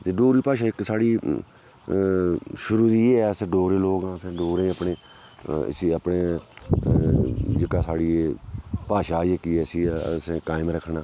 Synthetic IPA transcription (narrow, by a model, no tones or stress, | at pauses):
t̪eːɖoːɾiːpaːʃaːɪksaːɽiː | ʃʊɾuːd̪iːeːɛsẽːɖoːɾẽːloːɡãːəsẽːɖoːɾẽːəpɳḛː | siəpɳeː | d͡ʒəkaːsaːɽiːeːpaːʃaːjekiːɛːsiːsẽkaːɪmɾəkʰnaː